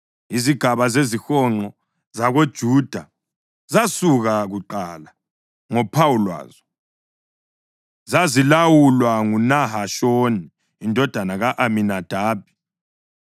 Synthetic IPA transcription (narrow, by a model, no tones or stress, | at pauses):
iziɡ̥ʱaβazezixɔŋ͡ǃɔ | zaɣod̥ʒ̥ʱud̥ʱa | zasuɣaɣuǃala | ŋɔpʰawulwa̰ːzɔ | zazilawulwaŋunaɦaʃoniː | ndʱɔd̥ʱanaɣaʔaminad̥ʱaːb̥̚ʱi̥